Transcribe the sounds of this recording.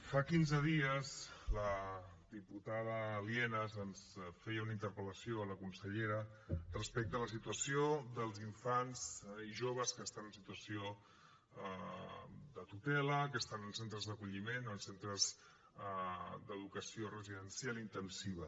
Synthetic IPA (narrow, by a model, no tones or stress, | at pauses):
fakinzəðiəzlə | d̪iput̪aðəliɛnəzənsfɛjəunaint̪əɾpələsioələkunsəʎeɾərəspɛk̚t̪ələsit̪uəsiod̪əlˠziɱfanziʒoβ̞əskəst̪anənsit̪uəsio | d̪ət̪ut̪ɛləkəst̪anənsent̪ɾəzðəkuʎimenənsent̪ɾəz | d̪əðukəsiorəziðənsjalint̪ənsiβə